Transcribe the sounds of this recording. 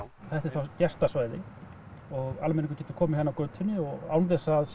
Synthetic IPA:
θɛht̪ɪɾ̥θawcɛst̪asvaːjðɪ | ɔɣalmɛniŋk̬ʏ̥ɾcɛt̪ʏ̥kʰɔːmɪhanːawkœːɥt̪ʰʏnːɪɔɣawnt̪̬ɛsːaðs

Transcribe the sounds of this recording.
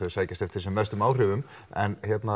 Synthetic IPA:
œsaːjcast̪ɛft̪ʰɪɾ̥sɛmvɛst̪ʏmaːwr̥ʏːvʏm | ɛ̰nçjɛt̪na

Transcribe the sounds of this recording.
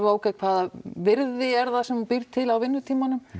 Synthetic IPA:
oːwkakʰvaːðavɪɾðɪɛɾðasɛmpɪɾt̪ʰɪlawvɪnːʏt̪ʰiːmanʏm

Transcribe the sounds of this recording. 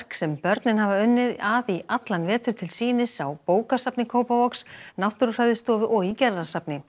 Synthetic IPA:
r̥ksɛmpœɾt̪nɪnɦavaʏnːɪðaðiʔat̪lanvɛːt̪ʏɾ̥t̪ʰɪlsiːnɪsawpoːwkasapnɪkʰoːwpavɔksnawht̪ʏɾʏrajðɪst̪ɔːðʏʔɔɣicɛɾðasapnɪ

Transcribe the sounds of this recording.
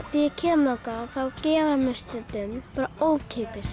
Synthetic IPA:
θiɛcʰɛːmlɔwkaθawcɛːvamʏst̪ɪt̪ʏmpaːɾaoːwcʰeːpɪs

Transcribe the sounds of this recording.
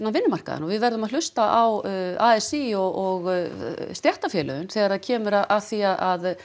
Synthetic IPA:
nːavɪnːʏmar̥ka̰ða̰ɔvɪðvɛɾðʏmaðl̥ʏst̪aʔawaːɛsiɔɔɣst̪jɛht̪afjɛːlœ̰ɣʏnθɛːɣaɾaðcʰɛːmʏɾaaðθiaðað

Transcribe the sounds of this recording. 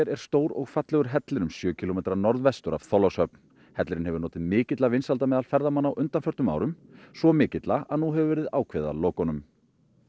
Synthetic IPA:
ɛɾɛɾ̥st̪oːwɾɔɣfat̪lɛɣʏɾ̥ɦɛt̪lɪɾʏmsjœːcʰɪlɔmeːt̪ɾanɔɾðvɛst̪ʏɾa̰v̥θɔlɔshœpn | hɛt̪lɪɾɪnɦɛvʏɾnɔːt̪ɪðmɪːcɪt̪lavɪnsalt̪amɛːðalfɛɾðamanːawʔʏnt̪anfœɾ̥t̪ʏma̰ːwɾʏmsvɔmɪːcɪt̪laʔaðnuɦɛvvɛːɾɪðaːwkʰvɛða̰loːkɔnʏm

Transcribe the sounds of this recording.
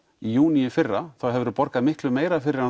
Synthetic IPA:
ijuːnijʏfɪrːaθawɦɛvʏɾʏɾpɔɾkaðmɪhklʏmeːjɾafɪɾɪɾa

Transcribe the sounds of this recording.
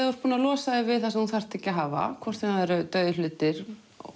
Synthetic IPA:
ɔɾ̥t̪̚puːnalɔːsaðɪvɪðθasɛmhunθar̥t̪ʰɛcːaɦaːva̰kʰvɔr̥t̪fɛnaðɛɾt̪œːðɪlʏːt̪ɪɾ̰

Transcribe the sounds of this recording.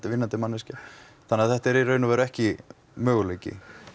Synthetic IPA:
t̪ɪvɪnːant̪ɪmanːɛsca | θanːɛaθɛht̪ɛɾirœːɥnʏvɛːɾʏɛhcɪ | mœːɣʏleːcɪ̰

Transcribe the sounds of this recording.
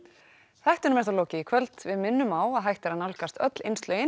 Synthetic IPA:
θɛht̪ʏnʏmɛɾ̥θaloːwcɪkʰvœlt̪vɪðmɪnːʏmawaðɦajht̪ɛɾanawlkast̪œ̰t̪l̥ejnst̪lœːjɪ

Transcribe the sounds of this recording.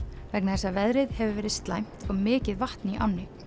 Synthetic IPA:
vɛknaθɛsːavɛðɾɪðhɛvʏvɛːɾɪðst̪lajm̥t̪ɔɣmɪːcɪðvaht̪niʔa̰wnːɪ

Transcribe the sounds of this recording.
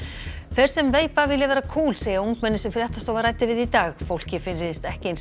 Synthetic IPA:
θɛɾ̥sɛmveːjpavɪlːɪvɛːɾakʰuːlseːjauŋkmɛnːɪ̥sɛmfɾjaht̪ast̪owvaɾaːjt̪ɪvɪðit̪aːɣfowl̥cɪfɪnɾɪðɪst̪ɛhcɪen

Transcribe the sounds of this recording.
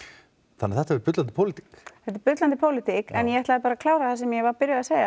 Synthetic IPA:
θanːaθɛht̪avɛɾpʏt̪lant̪ɪpʰowlɪt̪i̥kθɛht̪ɪɾpʏt̪lant̪̬ɪpʰoːwlɪt̪ikɛnjɛɛht̪laðɪpaɾakʰlaːwɾaθɛs̬ɛmjɛvaɾpɪɾjʏaseːjɣa

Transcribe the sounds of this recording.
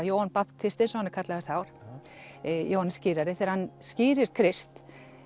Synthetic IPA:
joːwanpapt̪ʰɪst̪ɪsɔhanɪ̥kʰat̪laɪɾθawɾ̥ | joːwhansciːɾaɾɪθɛɛɾhanːsciːɾɪɾ̥kʰɾɪst̪

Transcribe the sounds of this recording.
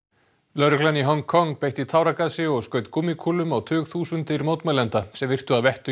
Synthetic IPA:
lœɾʏklaniɦɔŋkʰɔŋpeːjht̪it̪ʰaːwɾakaðsɪɔɣskœːɥt̪kumːikʰulʏmawt̪ʰʏːɣθuːsʏnt̪ɪɾimoːwt̪mɛlɛnt̪asɛmvɪr̥t̪ʏaðvɛht̪ʏ

